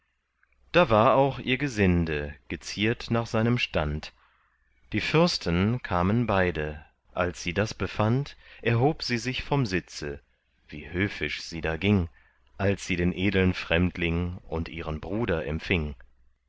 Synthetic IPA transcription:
d̥aːvaːɐaʊχʔḭːɐɡəzɪndəɡ̥ət͡siːɐtnaːχz̥aɪnəmʃtant | d̥iːfʏɐstənkʰaːmənbaɪdə | ʔalsz̥iːdasb̥əfantʔɛɐɦoːpz̥iːzɪçfɔmzɪt͡sə | v̥ḭːhøːfɪʃz̥iːdaːɡɪŋ | ʔalsz̥iːdeːnʔeːdl̩nfʁ̥ɛmtʰlɪŋʔʊntʔiːʁənbʁuːdɐʔɛ̰mfɪŋ

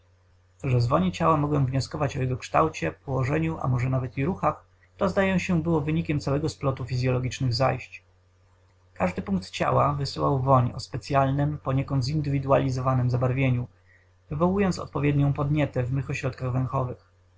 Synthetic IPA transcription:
ʐɛzvɔɲit͡ɕawamɔɡwɛmvɲɔskɔvat͡ɕɔjɛɡɔkʂt̪a̰wt͡ɕɛpɔwɔʐɛɲuʔa̰mɔʐɛnavɛt̪iɾuxax | t̪ɔzd̪ajɛw̃ɕɛbɘwɔvɘɲikʲɛmt̪sawɛɡɔsplɔt̪ufʲizʲjɔlɔɡʲit͡ʂnɘɣza̰jɕt͡ɕ | kaʐd̪ɘpuŋk̚t̪t͡ɕa̰wavɘsɘwawvɔɲɔ̰spɛt̪sʲjalnɘmpɔɲɛkɔnt̪zind̪ɘvʲid̪ua̰lʲizɔvanɘmzabaɾvʲjeɲu | vɘvɔwujɔnt̪sɔ̰t̪̚pɔvʲjɛd̪ɲɔ̃pɔd̪ɲɛt̪ɛvmɘxɔɕɾɔt̪kaɣvɛ̃ŋ̃xɔvɘx

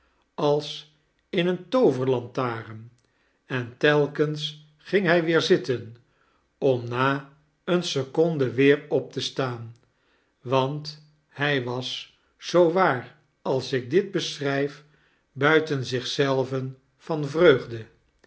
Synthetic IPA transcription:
ɑlˠs | ɪnəntowvəɹlɑntaːrən | ɛntɛlˠkəns | χɪŋɦɛjʋɪːɹzɪtən | ɔmnaː | ənsəkɔndəʋɪːɹɔp̚təstaːn | ʋɑnt | hɛjʋɑs | z̥owʋaːr | ɑlˠsɪɡ̚dɪd̚bəsrɛjf | bœɥtənzɪχsɛlˠvən | fɑnvrøɥχdə

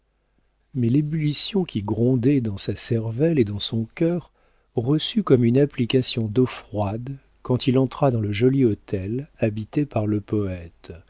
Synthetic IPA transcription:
mɛlebylisjɔ̃kʲiɡʁɔ̃d̪ɛd̪ɑ̃sasɛʁvɛled̪ɑ̃sɔ̃kʲœːʁ | ʁəsykɔmynaplikasjɔ̃d̪ɔfχwad̪ | kɑ̃t̪ilɑ̃t̪χad̪ɑ̃ləʒɔliɔt̪ɛlabit̪epaʁləpɔɛt̪

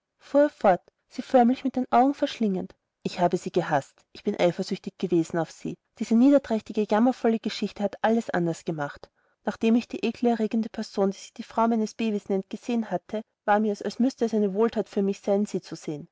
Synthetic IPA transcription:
fuːɛfɔɐt | z̥iːfœɐmlɪçmɪt̚d̥eːnʔaʊɡŋ̩fɛɐʃlɪŋənt | ʔɪçhaːbəz̥iːɡəɦastʔɪçb̥ɪnʔa̰ɪfɐzʏçtɪçɡ̥əveːzn̩aʊfsḭː | d̥iːz̥əniːdɐd̥ʁ̥ɛçtɪɡəjamɐfɔləɡ̥əʃɪçtəhatʔaləsʔa̰ndɐsɡ̥əmaχt | naːχd̥eːmɪçd̥iːʔeːkʰl̩ɛɐʁeːɡəndəpʰɛɐzoːndiːz̥ɪçd̥iːfʁ̥aʊmæɪnəsb̥eːbisnɛnt̚ɡ̥əz̥eːənhatʰə | vaːɐmiːɐɛsalsmʏstəɛsaɪnəvoːltʰaːtfyːɐmɪçz̥aɪnz̥iːt͡suz̥eːən

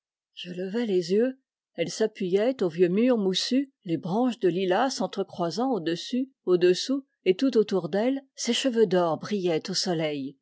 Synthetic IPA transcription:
ʒ̥ələvɛlezjø | ɛlsapɥijɛt̪ovjømyːʁmusy | lebʁɑ̃ʃd̪əlilasɑ̃t̪χəkχwazɑ̃od̪əsy | od̪əsu | et̪ut̪ot̪uʁd̪ɛlseʃəvød̪ɔʁbʁijɛt̪osɔlɛj

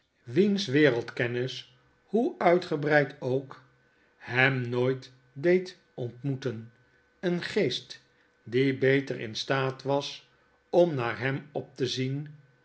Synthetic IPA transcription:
ʋinsʋɪːrəlˠtkɛnɪs | huœɥtχəbrɛjtowk | hɛmnojt | dejt | ɔntmutən | ənχejst | dibejtərɪ̰nstaːtʋɑs | ɔmnaːɹɦɛmɔp̚təzin

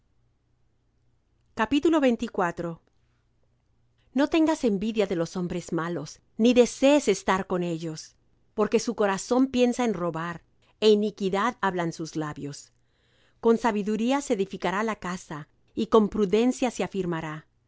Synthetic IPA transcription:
kapit̪ulo̞βe̞jnt̪ikwat̪ɾo̞ | no̞t̪e̞ŋɡase̞mbiðjaðe̞lo̞so̞mbɾe̞zmalo̞s | niðe̞se̞ːse̞st̪aɾko̞ne̞ʝo̞s | po̞ɾke̞suko̞ɾaso̞mpje̞nsaenro̞βaɾ | e̞inikiðaðaβlansuzlaβjo̞s | ko̞nsaβiðuɾiaseeːðifikaɾalakasa | iko̞mpɾuðe̞nsjaseafiɾmaɾa

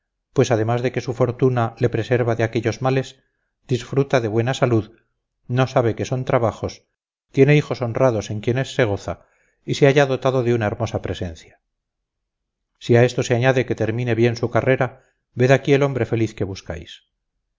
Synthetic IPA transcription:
pwe̞sað̞e̞mazðe̞ke̞sufo̞ɾt̪unale̞pɾe̞se̞ɾβaðeake̞ʎo̞zmale̞s | d̪̥isfɾut̪aðe̞βwe̞nasaluð | no̞saβe̞ke̞so̞nt̪ɾaβaχo̞s | t̪jene̞ixo̞so̞nraðo̞se̞ŋkje̞ne̞sːe̞ɣ̞o̞θa | iseaʝaðo̞t̪aðoðeunae̞ɾmo̞sapɾe̞se̞nθja | siae̞st̪o̞seaɲaðe̞ke̞t̪e̞ɾmĩne̞βje̞nsukare̞ɾa | βe̞ðakie̞lo̞mbɾe̞fe̞liθke̞βuska̰js

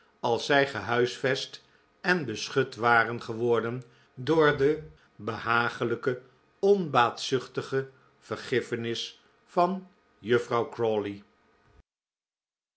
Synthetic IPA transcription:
ɑlˠsɛjχəɦœɥsfɛst | ɛnbəsχɵtʋaːrənχəʋɔɹdən | dʊːɹdə | bəhaːχələkə | ɔnbaːtsʏχtəχə | v̥əɹχɪfənɪs | fɑn | jɵfrɑwkrɔli

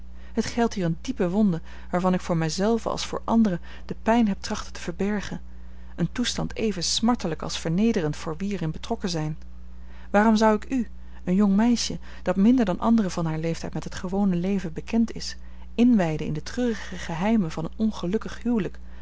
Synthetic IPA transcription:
ɦətχɛlˠtɦiːrəndipəʋɔndə | ʋaːɹvɑnɪkfʊːɹmɛjzɛlˠvə̰ɑ̰lˠsfʊ̰ːɹʔɑ̰ndərə | d̥əpɛjnɦɛp̚trɑχtətə̥vəɹbɛɹχən | əntustɑntʰejvənsmɑɹtələkɑ̰lˠsfəɹnejdərəntfʊːɹʋiɛɹɪnbətrɔkəzɛjn | ʋaːrɔmzɑwɪky | ənjɔŋmɛjʃə | d̥ɑtmɪndəɹdɑnʔɑ̰ndərəv̥ɑnɦaːɹlejftɛjtmɛtɦətχəʋownəlejvəbəkʰɛntɪ̰s | ɪnʋɛjdəɪ̰ndətrøːrəχəχəɦɛjmənvɑnənɔnχəlɵkəχɦywlək

